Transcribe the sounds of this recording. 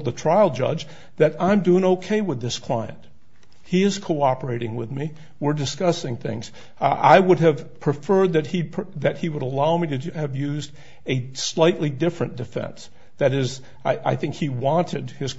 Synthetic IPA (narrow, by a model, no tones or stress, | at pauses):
ðətʰɹ̥aɪl̩ˠd͡ʒʌ̰d͡ʒ | ðɨɾãɪ̃mdʉɪ̃ŋoʊkʰeɪwəðɪskʰl̥aɪɨ̰̃nt̚ | hiɨz̥kʰoʊɑpə˞eɪɾɪ̃ŋwɪðmi | wɪɹdɨskʌsɪ̃ŋθɪ̰̃ŋz̥ | a̰ɪwʊɾɨv̥pʰɹ̥ɨfɜ˞d̪̚ðɨt̚hipʰðɨt̚hiwəɾəlaʊmiɾɨɨvjʉzd | ɨslaɪʔˡlidɪfɹɨ̃nd̥ɨfɛ̰̃ns | ðɨɾɪz | aɪʔa̰ɪθɪ̃ŋkhiwɑ̃ntʰɨd̚hɨz̥